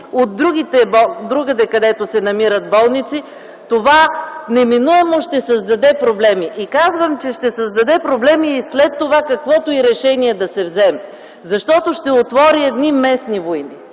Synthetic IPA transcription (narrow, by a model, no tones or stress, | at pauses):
od̪ːɾuɡʲit̪ɛbɔd̪ɾuɡəd̪ɛkɐd̪ɛt̪osɛnɐmiɾət̪̚bɔlˠnit̪si | t̪ovanɛminuɛmoʃt̪ɛsɐzd̪ɐd̪ɛpɾoblɛmiʔikazvəmt͡ʃɛʃt̪ɛsɐzd̪ɐd̪ɛpɾoblɛmiːslɛt̪ːovakɐkvɔt̪oiɾɛʃɛniɛd̪ɐsɛvzɛmɛ | zɐʃt̪ɔt̪oʃt̪ɛot̪vɔɾiɛd̪nimɛsnivoini